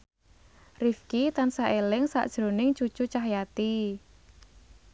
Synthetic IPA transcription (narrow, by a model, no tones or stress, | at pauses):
rifkit̪ansaʔelɪŋsa̰ʔd̥ʒ̥ɾo̤nɪŋt͡ʃud̥t͡ʃut͡ʃaɦjat̪i